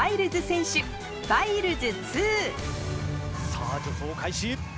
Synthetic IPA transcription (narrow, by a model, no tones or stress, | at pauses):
aiɾɯ̟zɨsẽɰ̃ɕɨ | baiɾɯ̟zɨt͡sɨː | saːd͡ʑot̪ʰoːkʰaiɕi